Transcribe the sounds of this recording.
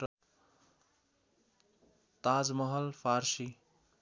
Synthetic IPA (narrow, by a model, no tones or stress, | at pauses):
t̪ad͡zmʌɦʌlpʰaɾsi